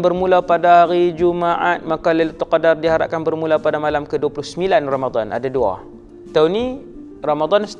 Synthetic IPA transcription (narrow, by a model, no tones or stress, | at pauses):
bərmulapadaɦaɾid͡ʒumaʔat̪̚makaləlut̪ːəqadardiɦaɾa̰ʔ̚kanbərmulapadamalamkəduwapulʊhsəmbilanramad̪ˤanʔa̰dadua̰ | t̪awni | ramad̪ɔns